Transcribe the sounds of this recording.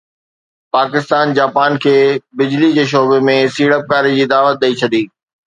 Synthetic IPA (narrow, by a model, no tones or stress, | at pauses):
paːkɪst̪aːnd͡ʑaːpaːnkʰeːbɪd͡ʑlid͡ʑeːʃ̬oːbemẽsiːɽəp̚kaːɾid͡ʑiːd̪aːʋət̪̚ɗ̪ɐit͡ɕʰɐd̪iː